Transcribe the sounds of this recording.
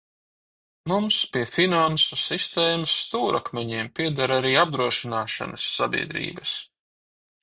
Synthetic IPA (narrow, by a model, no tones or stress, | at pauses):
mumspiɛfinansusist̪eːmasːt̪uːɾʔakmʲɛɲiɛmpʲiɛd̪aɾaɾiːab̚d̪ɾuɔʃinaːʃa̰nɐsːabʲḭɛd̪ɾḭːbɐs